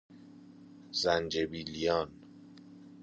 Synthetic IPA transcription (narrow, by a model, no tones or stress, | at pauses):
zænd͡ʒebilijɒːn